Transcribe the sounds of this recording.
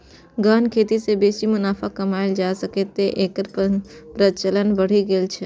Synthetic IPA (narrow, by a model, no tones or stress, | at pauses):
ɡaːnkʰeːt̪isebeːsimʊnaːfʰakɐmaːɪld͡ʒaːsəket̪ːeʔeːkəɾpɾət͡ʃələnbəɽ̤iɡelt͡ʃʰɛ